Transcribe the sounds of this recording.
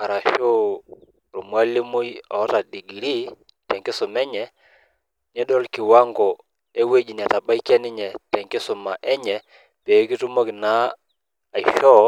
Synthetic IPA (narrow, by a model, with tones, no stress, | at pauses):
a˨ɾa˨ʃo˦ | ɾo˨mwa˦li˦mu˦jɔ̰˨˦ta˨di˨ɡi˨ɾi˦ | tɛ˨ŋkɪ˦sʊ˨mɛ˦ɲɛ˨ | ɲɛ˦dɔ˦lkɪ˨wa˦ŋɡɔ˨ | e˦we˦d͡ʒi˨n˨a˨ta˨ba˦i˦kɛ˦nɪ˦ɲɛ˨tɛ˨ŋkɪ˦sʊ˨ma˨ʔɛ˦ɲɛ˨ | pe˨˦ki˦tu˦mɔ˦kɪ˨naː˨˦˨ | i˨ʃɔ˦